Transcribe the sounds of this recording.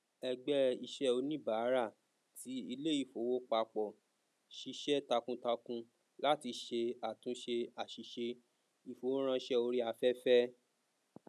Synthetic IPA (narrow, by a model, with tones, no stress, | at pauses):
ɛ˧ɡ͡bɛ˦i˧ʃɛ˦o˧nĩ˦˨ba˨˦ɾa˦˨ | ti˨˦i˧le˦i˦˨fo˨˦wo˦k͡pa˧k͡pɔ˨ | ʃi˧ʃɛ˦ta˧kũ˧ta˧kũ˧ | la˦ti˧ʃe˧a˨tũ˨˦ʃe˧a˨ʃi˧ʃe˧ | i˨fo˨wo˦ɾ̃ã˧i˧˦ʃɛ˦o˧ɾi˦a˧fɛ˦fɛ˦